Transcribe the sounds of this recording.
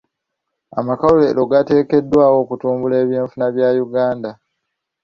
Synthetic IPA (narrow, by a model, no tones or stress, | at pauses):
a̰makalule̞ːlo̞ɡate̞ːke̞dːwaːwo̞ːkutuːmbule̞ːβjeːɱfunaβjaːjuɡaːnda